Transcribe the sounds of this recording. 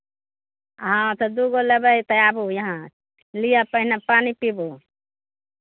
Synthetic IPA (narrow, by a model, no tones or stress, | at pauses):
ɦãt̪ɐd̪uɡoləbəjt̪əabujɐɦã | lijapəɦɪnapaːnipibu